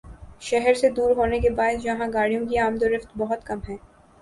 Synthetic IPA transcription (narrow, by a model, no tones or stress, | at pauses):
ʃɛɦɛɾsed̪uːɾɦoːnek̬ebaːɪd̪jɐɦãɡaːɽijõk̬iaːmd̪oɾɪft̪bɔɦʊt̪kɐmɦɛ̃ː